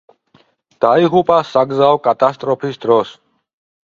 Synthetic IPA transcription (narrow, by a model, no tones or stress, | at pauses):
d̪̥aiʁupʼasaɡzaɔkʼat̪ʼast̪ʼɾɔpʰisd̪ɾɔs